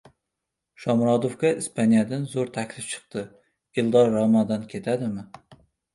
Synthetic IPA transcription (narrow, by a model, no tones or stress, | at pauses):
ʃɒmɾɒd̪ofkʲaispʰanijad̪anzoɾt̪ʰakʲlɪft͡ʃʰɨ̥q̚t̪ɨ | ɪlˠd̪ɒɾːɑmad̪ɒnkʲʰe̞t̪ʰad̪ɪmɪ